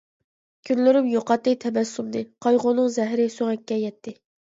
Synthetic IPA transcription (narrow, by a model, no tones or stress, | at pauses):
kʲʰynlyɾymjoqɑt̪ːɨt̪ʰɛbɛsːumd̪ɨqʰɑjʁonɨŋzɛɦɾɪsoŋɛkʲːɛjɛt̪ʰːɪ